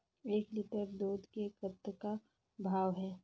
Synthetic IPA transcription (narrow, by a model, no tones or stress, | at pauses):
eːklɪʈəɾd̪oːd̪kekət̪ːka | bʱaːʋɦɛː